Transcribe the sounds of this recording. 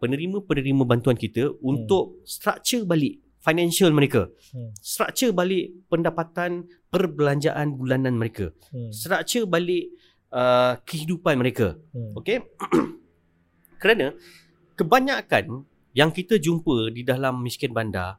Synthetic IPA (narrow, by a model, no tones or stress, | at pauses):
pənəɾimə̃pənəɾimə̃bant̪uankit̪əunt̪ʊʔ̚st̪ɾa̰ʔt͡ʃəbalɪʔ | fajnãnsialmə̃ɾeka | st̪ɾa̰ʔ̚t͡ʃəbalɪʔpəndapat̪an | pərbəlaɲd͡ʒa̰ʔanbulanãnməɾeka̰ | sɾaʔt͡ʃəbalɪʔ | əkəɦidupanmə̃ɾeka̰oke | kəɾanə̃ | kəbaɲakan | jaŋkit̪əd͡ʒumpədidalamːiskɪnbanda̰